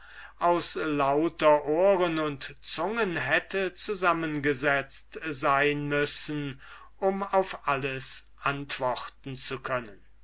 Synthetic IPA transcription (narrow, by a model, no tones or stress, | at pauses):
ʔaʊslaʊtɐʔoːʁənʊntt͡sʊŋənɦɛtʰət͡suzamənɡəzɛt͡stzaɪnmʏsn̩ | ʔʊmaʊfʔaləsʔantv̥ɔχtn̩t͡sukʰœnən